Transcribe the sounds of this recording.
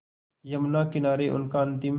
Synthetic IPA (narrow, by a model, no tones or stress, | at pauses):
jɐmnaːkɪnaːɾeːʔʊ̰nkaːnt̪im